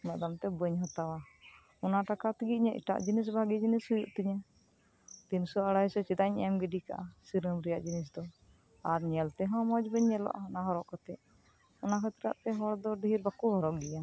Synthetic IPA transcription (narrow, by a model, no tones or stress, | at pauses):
nəʔd̪amt̪ɛbəɲɦɔt̪awa | ɔnaʈakat̪iɡit̪̚ɲaʔḭʈa̰ʔd͡ʒinis̬bʱaɡid͡ʒinishujuʔt̪iɲa | t̪insɔaɽajsɔt͡ʃid̪aɲɛmɡɛɖika̰ʔasiɾəmɾɛjaʔd͡ʒinis̬d̪ɔ | aɾɲɛlt̪ɛɦɔ̃mɔd͡ʒbəɲːɛlɔ̰ʔa̰naɦɔɾɔʔkɔt̪ɛʔ | ɔnakʰat̪ɾa̰ʔt̪ɛɦɔɽd̪ɔɖ̪iɾbakuɦɔɾɔʔɡɛja